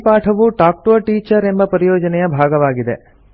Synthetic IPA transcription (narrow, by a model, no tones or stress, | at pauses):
paːʈʰɐʋuʈaːk̚ʈoʋɐɾʈiːt͡ʃɐɾe̞mbɐpɐɾijɔːd͡ʒɐnɛjɐbʱaːɡɐʋaːɡid̪ḛ